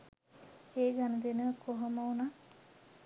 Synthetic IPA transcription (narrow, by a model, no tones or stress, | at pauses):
eːɡanəd̪enəkʰoɦɐməuna